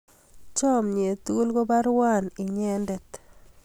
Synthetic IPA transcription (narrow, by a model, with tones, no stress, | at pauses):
t͡ʃɔ˦mɲe˨t̪u˦u˦lɡo˦ba˦ɾwa˦˨nɪ˨ɲɛ˦ndɛ˨t̪